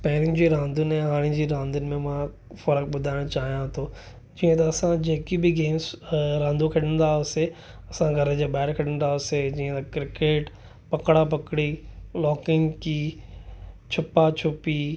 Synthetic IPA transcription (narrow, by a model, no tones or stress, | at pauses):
pɐɦɪɾɪ̃nd͡ʑiːɾãːnd̪ʊnɛ̃ɦaːɽ̃id͡ʑiːɾãːnd̪ənɪ̆mẽmã | fɐɾək̚bʊd̪ʱaːɪɽ̃ot͡ɕaːɦijãt̪ʰoː | d͡ʑiːə̃t̪ɐːsãd͡ʑeːkibɪɡeːmzɾãːnd̪ukʰɐɽə̃nd̪aːʊse | ɐsãɡʱɐɾəd͡ʑeːɓaːɪɾkʰɐɽ̤ənd̪aːʊsed͡ʑiːə̃t̪ɐkɾɪkeːʈ | pɐkɽap̬ɐkɽilɔːkɪŋki | t͡ɕʰʊpat͡ɕʰʊpi